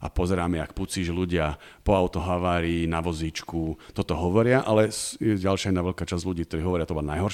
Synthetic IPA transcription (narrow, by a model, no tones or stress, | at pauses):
ʔa̰pɔzɛɾaːmɛak̚put͡siːʒluɟɪapɔaʊt̪ɔɦaʋaːɾiːnaʋɔziːt͡ʃkut̪ɔt̪ɔɦɔʋɔɾɪaʔalɛsjɛɟalʃjainaːʋɛlkaːt͡ʃazɟluɟiːk̚t̪ɔɾiːɦɔʋɔɾjat̪ɔbanajɦɔɾ